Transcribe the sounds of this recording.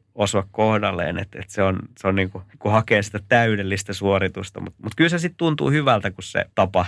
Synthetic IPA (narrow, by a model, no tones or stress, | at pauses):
osʋɑkkohdɑlːḛːnḛt̪ḛt̪seonseonniːŋkukuhɑkeːsi̥t̪æt̪æydelːist̪æsuorit̪ust̪ɑ̰mṵt̪mut̪kylsesit̪t̪unt̪ṵːhyʋælt̪ækussḛt̪ɑpɑ